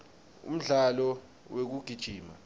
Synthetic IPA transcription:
ṵm̩ɮalɔ | wek̬uɡ̥ʱid̥ʒ̥ʱiːma̰

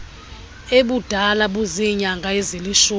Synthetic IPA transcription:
eɓud̥ʱalaɓuziɲaŋɡʱaɛzeliʃu

